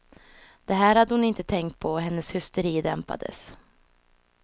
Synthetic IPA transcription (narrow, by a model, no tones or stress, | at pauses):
d̪̥ɛɦæːɾhad̪ːəhʊnɪnt̪ət̪ʰɛŋkt̪̚pʰɔɦɛnːəshʏst̪əɾiːd̪ɛmpa̰d̪ə̰s